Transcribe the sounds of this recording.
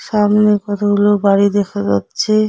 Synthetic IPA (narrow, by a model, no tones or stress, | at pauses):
ʃamnekɔt̪ʰaɦulobaɽid̪ekʰad͡ʑa̰tːɕʰe